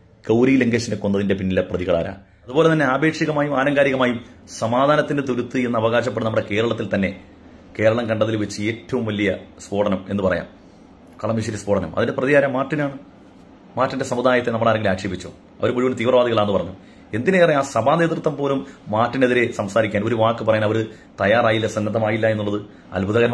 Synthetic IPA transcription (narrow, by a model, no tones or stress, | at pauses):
kɐwɾileŋɡeːɕineko̞nːɐðinde̞pinːilɐprɐðiɣɐɭa̰ːɾɐ̰ | ɐðubo̞ːle̞t̪ɐnːe̞aːbe̞ːkʂiɣɐmaːjumaːɾɐŋɡaːɾiɣɐmaːjum | sɐmaːd̪ʱaːnɐt̪ːinde̞t̪̬uɾut̪ːɨe̞nːɐːʋɐɣaːɕ̬ɐpːeɽɨnɐmuɽe̞ke̞ːɾɐɭɐt̪ːilt̪ɐnːe̞ | ke̞ːɾɐɭɐmkɐɳɖɐðilʋet͡ɕːɨe̞ːtːɐʋumʋɐlːijɐspo̞ːʈɐnɐme̞nːɨpɐrɐ̰ja̰ːm | kɐɭɐmiʂ̬ɐɾispoːʈɐnɐ̰mʔɐ̰ðinde̞prɐðiɣaːɾɐmːaːtːinaːɳɨ | maːtːinde̞sɐmud̪aːjɐt̪ːe̞nɐmuɽeaːɾɐŋɡilaːkʂeːbit͡ɕːo̰ː | ɐ̰ʋɐɾumuɻiʋunt̪iːʋrɐʋaːd̪iɣɐɭaenːɨpɐrɐɲːu | e̞nd̪ineɐrɐjaːsɐbʱaːne̞ːt̪rɨt̪ːɐmpo̞ːlumːaːtːine̞ðiɾe̞sɐmsaːɾikʲːaːno̞ɾuʋaːkːɨp̬ɐrɐjaːnɐʋɐɾɨ | t̪ɐjaːraːjilːɐsɐnːɐd̪ɐmaːjilːɐe̞nːuɭːɐðɨ | ɐ̰lbʱuðɐɣɐɾɐ